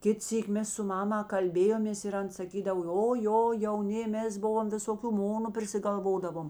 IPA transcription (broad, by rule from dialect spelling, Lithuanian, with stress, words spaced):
ˈkʲɪt ˈsʲiːkʲ ˈmʲɛs sʊ ˈmɑːmɐ kɐlʲˈbʲeːjoːmʲeːs ɪr ˈɐn sɐˈkʲiːdɐw oː ˈjoː jɛʊˈnʲɪ ˈmʲɛs ˈbʊʋoːm ʋʲɪsoːˈkʲuː ˈmoːnʊ pʲrʲɪsʲɪɡɐlˠˈʋoːdɐʋoːm